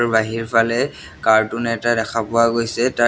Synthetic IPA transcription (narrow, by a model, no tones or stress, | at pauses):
ɹbaɦiɹpʰalɛ | kaɹtʊnɛːtadɛkʰapʊwaɡojsɛta